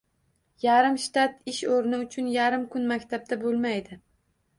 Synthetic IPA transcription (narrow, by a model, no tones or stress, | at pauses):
jaɾɪmʃt̪at̪ɪʃoɾnɪʊt͡ʃʰʊnjaɾɪmkʰʊnmakʲt̪ʰab̪̚abolˠmajd̪ɪ